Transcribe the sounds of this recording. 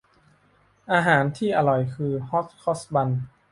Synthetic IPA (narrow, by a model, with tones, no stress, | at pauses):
ʔaː˧ɦaː˩˦nt̪ʰiː˥˩ʔa˧ɾɔ˨˩jkʰɯː˧hɔ˦˥k̚kʰɔ˦˥sba˧n